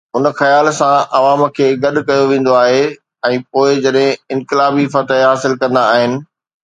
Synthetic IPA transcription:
ʊnxɐjaːlsãʔɐʋaːmkʰeːɡɐɗkɐjoʋẽːn̆d̪oaːɦe | ɛ̃ːpoːɪd͡ʑɐɗɦɪ̃ɪ̃nkɪlaːbifɐt̪eɦaːsɪlkɐ̃nd̪aːɦɪnɪ̆

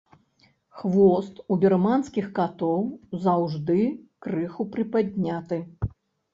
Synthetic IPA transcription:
xvɔst̪ubʲɛrmanskʲixkat̪ɔwzawʐd̪ɨkɾɨxupɾɨpad̪ʲnʲat̪ɨ

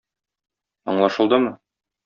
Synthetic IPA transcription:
ɒ̰ɴlˠɑʃɤ̆lˠd̪ɤmɤ

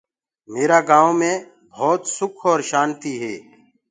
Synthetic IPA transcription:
meːɾaːɡãːõːmẽː | bʱoːt̪sʊkʰoːɾʃaːnt̪iːɦeː

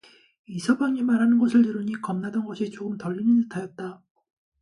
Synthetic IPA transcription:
isʰʌbjaŋimaɾɦanɯnɡʌsʰɯɭtɯɾɯɲikʌmnadʌnɡʌɕʰit͡ɕ͈oɡɯmtʌʎːiɲinɯtʰajʌt̚t͈a

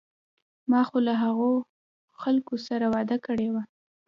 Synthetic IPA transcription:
mɑxolaɦaɣo | xalkosaɾawɑd̪akəɽewa

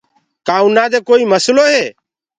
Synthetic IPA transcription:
kaːũnaːd̪eːkoːiːməsloːɦeː

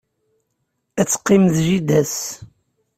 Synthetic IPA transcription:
æt͡sːqːimðʒid̪æs

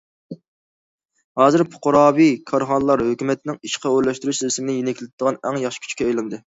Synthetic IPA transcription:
hɑːzɨɾpʰʊ̥qʊɾɑːbikʰɑɾχɑnəlˠɑɾhøkʲymɛt̪nɪŋiʃqʰɑøɾlɛʃt̪yɾyʃzɪsɪmɪnɪjenɛkʲʰlɪt̪̚d̪̥əʁɑnɛŋjɑχʃɪ̥kʰʲy̥t͡ʃʰkʲɛɑjlˠɨnd̪ɨ

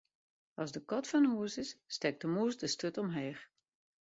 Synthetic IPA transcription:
ɑzdəkɔtfɔnuəsɪsːtɛk̚təmuəsdəstøtɔmɦeːx

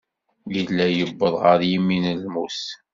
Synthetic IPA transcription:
jilːæjəbːəðˤʁəɾjimːinəlmus

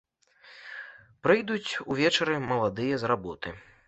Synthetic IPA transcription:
pɾɨjd̪ut͡sʲuvʲɛt͡ʂɐɾɨmɐlˠad̪ɨjɐzrabɔt̪ɨ

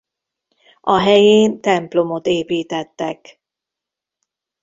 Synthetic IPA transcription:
ɒɦɛjeːnt̪ɛmplo̞mo̞t̪eːpiːt̪ɛt̪ːɛk

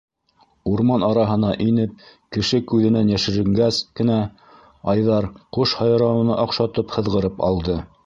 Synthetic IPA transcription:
uɾmɑnɑɾɑɦɤ̆nɑʔinɘp̚kɘ̆ʃɘkʉðɘ̆nænjæʃɘ̆ɾɘ̆ŋɡæskɘ̆næ | ɑjðɑɾquʃhɑjɾɑwɤ̆nɑʔɑqʃɑt̪ɤphɤ̆ðʁɤ̆ɾɤpɑ̰lˠd̪ɤ

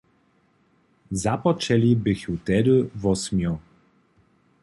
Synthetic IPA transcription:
zapɔt͡ʂɛlʲibɘxut̪ɛd̪ɘvɔsmʲjɔ

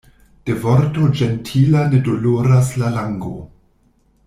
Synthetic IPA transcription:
d̥e̞voɾtod͡ʒentʰilane̞doloɾaslalaŋɡo̰

